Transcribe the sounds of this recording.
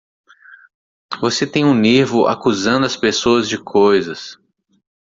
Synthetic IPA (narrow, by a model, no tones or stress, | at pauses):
voset̪ẽj̃ũniɾvʊʔa̰kuzɐ̃nd̪ʊɐspesoɐzd͡ʒɪkʰojzɐs